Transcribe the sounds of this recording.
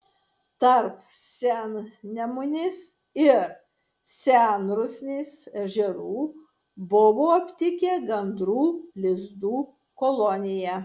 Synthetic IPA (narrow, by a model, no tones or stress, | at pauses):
t̪ɐɾpsʲænnʲɛmʊnʲɪs | ɪɾ | sʲæˑnɾʊsʲnʲesɛʒʲɛɾuː | bʊʋoːɐpʲt̪ʲɪkʲɛɡɐnd̪ɾuːlʲɪzd̪uː | kɔlˠɔnʲɪjɛ